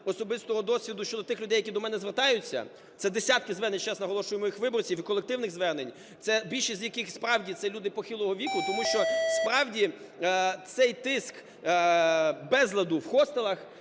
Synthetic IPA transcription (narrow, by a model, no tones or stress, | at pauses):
ɔsɔbɪst̪ɔɦɔd̪ɔsʲʋʲid̪ʊʃt͡ʃɔd̪ɔt̪ɪxlʲʊd̪ɛjɐkʲid̪ɔmɛnɛzʋert̪ɑjʊt͡sʲːɐ̰ | t̪sɛd̪esʲɑt̪̚kɪzʋɛrnent͡ʃɛsnɐɦɔlˠɔʃʊjemɔjɪxʋɪbɔrt͡sʲiwikɔlˠek̚t̪ɪwnɪɣzʋɛrnenʲ | t̪sɛbʲilʲʃizʲjɐkɪxspɾɑwdʲit̪sɛlʲud̪ɪpɔxɪlˠɔɦɔʋʲikʊt̪ɔmuʃt͡ʃɔspɾɑwdʲi | t̪sɛjt̪ɪsk | bɛzlˠɐd̪ʊwxɔst̪elˠɐx